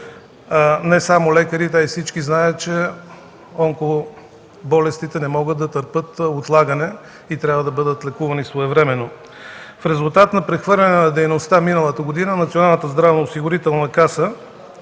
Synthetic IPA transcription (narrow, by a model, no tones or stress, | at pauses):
nɛsamolɛkəɾit̪ɛaifsit͡ʃkiznajət̪t͡ʃɛ | ɔŋko | bɔlɛst̪it̪ɛnɛmɔɡət̪d̪ɐt̪əɾpɤt̪ot̪lˠaɡənɛ | it̪ɾjavəd̪ɐbɤd̪ət̪lɛkuvɐnisvoɛvɾɛmɛnːo | fɾɛzulˠt̪at̪nɐpɾɛxvɤɾlʲɐnɛnɐd̪ɛjnost̪aminəlˠət̪əɡod̪inənɐt̪sionalˠnət̪əzd̪ɾavnoosiɡʊɾit̪ɛlˠnɐkasə